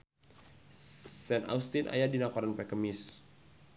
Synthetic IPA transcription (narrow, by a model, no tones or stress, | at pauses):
sɛna̰ust̪inʔa̰jadinakɔɾanpɛkəmɪs